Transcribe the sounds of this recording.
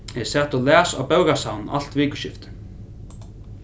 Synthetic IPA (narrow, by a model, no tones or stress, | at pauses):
ɛsɛːt̪ɔlæːsa̰wpœwkasawnn̩a̰l̥t̪viːkʏ̥ʃɪft̪